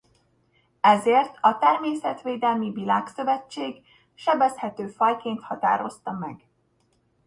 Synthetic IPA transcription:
ɛzeːrt̪ɒt̪ɛrmeːsɛt̪ʋeːd̪ɛlmivilaːksøvɛt͡ʃːeːɡ | ʃɛbɛshɛt̪øːfɒjkeːnt̪hɒt̪a̰ːɾo̞st̪ɒmɛɡ

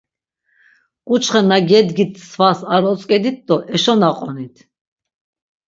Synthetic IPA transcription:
kʼut͡ʃχɛnaɡɛd̪ɡit̪ʰsvasaɾɔt͡sʼkʼɛd̪it̪̚d̪ɔʔɛʃɔnaqʼɔnit̪ʰ

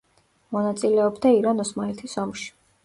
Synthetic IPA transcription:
mɔnat̪sʼilɛɔbd̪aiɾanɔsmaɛɾt̪ʰisɔmʃi̥

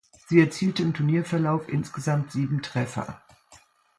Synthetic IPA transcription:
z̥iːɛɐt͡siːltəɪmtʰʊɐniːɐfɛɐlaʊfʔɪnsɡ̥əzamtz̥iːbm̩tʁ̥ɛfɐ̰

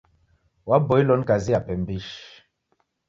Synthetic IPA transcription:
wabɔilɔnkaziapɛm̩biʃ

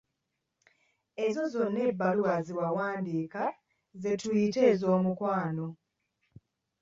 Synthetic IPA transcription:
e̞zo̞zo̞nːe̞bːaluaziwawaːndiːka | ze̞tujite̞ːzo̞ːmukwaːno̞

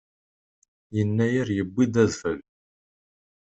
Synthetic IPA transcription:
jənːæjəɾjəbʷːid̪æðfəl

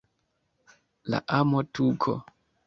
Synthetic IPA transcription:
la̰ʔamotukʰɔ̰

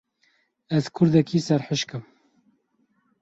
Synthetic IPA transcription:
ɛzkʰʊɾd̪ɛkʰiːsɛɾħəʃkɨm

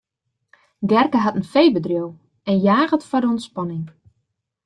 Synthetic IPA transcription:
ɡɛrkəɦatənfejbədrjow | ɛnjaːɣətfɔrdəɔntspɔnɪŋ

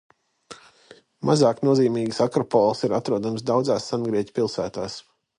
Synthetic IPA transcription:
mʔazaːknuɔziːmiːɡsakɾɔpɔlˠsiɾat̪ɾuɔd̪amsd̪awd̪zaːsːanɡɾiɛc̪ʲpilˠsæ̰ːt̪aːs

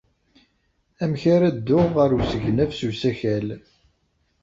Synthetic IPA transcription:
æmçaɾæd̪ːʊʁəɾusəʝnæfsusæçæl

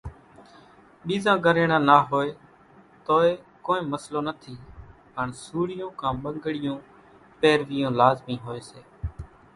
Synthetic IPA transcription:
ɓiːzãːɡʱəɾeːɳãːnaːɦoːeː | t̪oːeː | koːẽːməsloːnət̪ʰiː | pəɳsuːɽɪjõːkãːɓəŋɡɽɪjõː | peːɾʋɪjõːlaːzmĩːɦoːeːseː

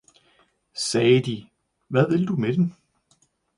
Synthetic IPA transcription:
sɛːd̥i | ʋæðˠe̝ld̥umed̥em

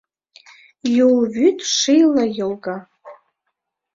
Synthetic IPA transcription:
julvytʰʼʂijlajɪlɡa

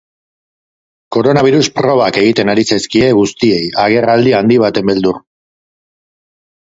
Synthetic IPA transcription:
ko̞ɾo̞naβ̞iɾuspɾo̞β̞ake̞ɣit̪e̞naɾisaskie̞ɣust̪ie̞jaɣ̞e̞rald̪iand̪iβ̞at̪e̞mbe̞ld̪ur

